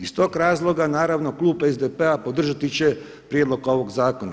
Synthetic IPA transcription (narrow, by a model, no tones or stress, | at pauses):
ist̪o̞ːɡɾaːzlˠo̞ɡanaːɾaʋno̞klˠuːbezd̪epeapo̞d̪r̩ʒat̪it͡ɕe̞ | pɾjed̪lˠo̞ɡo̞ʋo̞ɡzaːko̞na̰